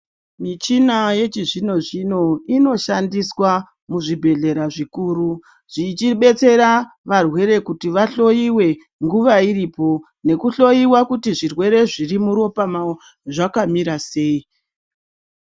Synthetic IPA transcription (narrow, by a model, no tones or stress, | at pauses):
mit͡ʃinaje̞t͡ʃiʐino̞ʐino̞ino̞ʃandiswa | muʐibʱe̞ɮe̞ɾaʐikuːru | ʐ̥it͡ʃiɓe̞t͡se̞ɾa | ʋarwe̞ɾe̞kutiʋaɬo̞jiwe̞ | ŋɡuʋaiɾipo̞ | ne̞kuɬo̞jiwakutiʐirwe̞ɾe̞ʐirimuɾo̞pamao | ʐakamiɾase̞ːi